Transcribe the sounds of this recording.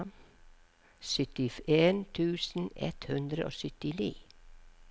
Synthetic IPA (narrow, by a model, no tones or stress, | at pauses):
m | sʏt̪ɪfeːnt̪ʰʉːsn̩ɛ̰t̪hʉnd̪ɾəʔo̰ːsʏt̪ɪnḭː